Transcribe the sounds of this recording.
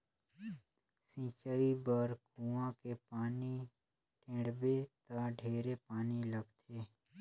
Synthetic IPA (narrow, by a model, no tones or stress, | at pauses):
sĩːt͡ʃaibəɾkũãkepaːni | ʈẽːɽbet̪aɖʱeːɾepaːniləɡt̪ʰeː